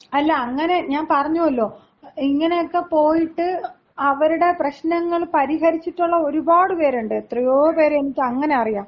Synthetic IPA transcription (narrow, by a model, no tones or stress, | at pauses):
ɐlːɐːŋːɐne̞ɲaːnpɐrɐɲːuɐlːo̞ː | iŋːɐne̞jokːe̞po̞ːjiʈːɨ | ɐʋɐɾuɽe̞prɐɕnɐŋːɐɭpɐɾiɦɐɾit͡ɕːiʈːuɭːɐo̞ɾubaːɽɨpe̞ːɾuɳɖɨet̪rijoːpe̞ːɾeenikʲːɐŋːɐne̞ɐrijaːm